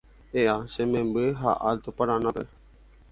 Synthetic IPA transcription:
eːaːsemẽbeɦa̰ʔalt̪opəɽãːnapḛ

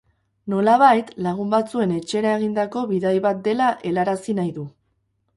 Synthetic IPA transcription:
no̞laβ̞ajt̪laɣ̞umbat͡sue̞ne̞t͡ʃe̞ɾae̞ɣ̞ind̪ako̞βiðajβat̪̚d̪e̞laʔe̞laɾasinajðu

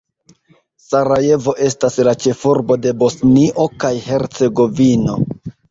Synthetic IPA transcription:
saɾaje̞vo̞ʔe̞staslat͡ʃe̞fuɾbo̞de̞bo̞sniʔo̞kajhe̞ɾt͡se̞ɡo̞vino̞

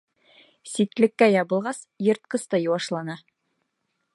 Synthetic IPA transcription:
sit̪lɘ̆kːæjɑbɤ̆lˠʁɑs | jɤ̆ɾt̪̚qɤ̆st̪ɑjŭwɑʃlˠɑnɑ

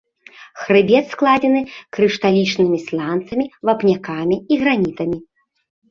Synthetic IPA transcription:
xɾɨbʲɛt̪sklˠad͡zʲɛnɨkɾɨʂt̪alʲit͡ʂnɨmʲislʲant̪sɐmʲivapnʲakamʲiiɣɾanʲit̪ɐmʲi

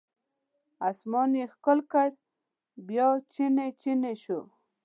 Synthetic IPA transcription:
asmɑnixkəlkaɽ | bjɑt͡ʃinet͡ʃineʃo

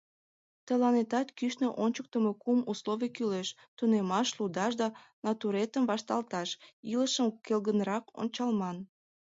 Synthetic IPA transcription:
t̪əlɑnet̪ɑt̪kyʃneʔonʲt͡ɕək̚t̪əmekumusloβikyleʃ | t̪unemɑʃlud̪ɑʃd̪ɑnɑt̪uɾet̪əmvɑʃt̪ɑlt̪ɑʃiləʃəmkelɣənrɑko̰nʲt͡ɕɑlmɑn

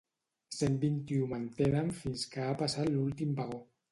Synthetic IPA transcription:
sembint̪iumant̪enamfinskaːpasalult̪imbaɣo

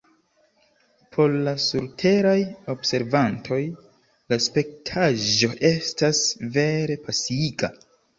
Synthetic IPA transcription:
pʰo̞llasuɾtʰe̞ɾajo̞bse̞ɾvantʰo̞j | laspe̞k̚tʰaʒo̞ʔe̞stasve̞ɾe̞pʰasiiɡa

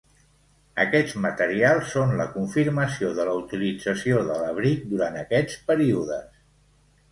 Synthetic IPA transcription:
ə̰kɛd͡zmət̪əɾialˠsːonləkuɱfiɾməsioðələut̪ilid͡zəsioðələβ̞ɾik̚d̪uɾant̪əkɛt͡spəɾiuðəs

